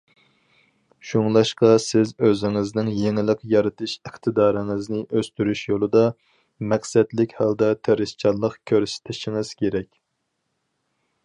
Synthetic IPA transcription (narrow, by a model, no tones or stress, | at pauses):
ʃuŋlˠɑʃqɑsɪzøzɪŋɪznɪŋjeŋɪlˠɪqjɑɾɨt̪ʰɨʃəχt̪ʰɨd̪ɑːɾɪŋɨznɪʔøst̪yɾyʃjolˠɨd̪ɑ | mɛqsɛd̪lɪkʲhɑld̪ɑt̪ʰeɾɪʃt͡ʃʰɑlˠəqkʲʰøɾsɪ̥t̪ʰɪʃɪŋɪz̥kʲʰeɾɛkʲ